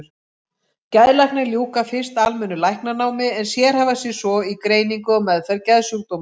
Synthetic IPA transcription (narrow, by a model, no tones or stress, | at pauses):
ɾ | cajðlajhknaljuːkafɪr̥st̪almɛnːʏlajhknanaːwmɪɛnsjɛɾ̥havasɛsɔikɾeːjniŋkʏɔmɛðfɛɾcajðsuk̚t̪owm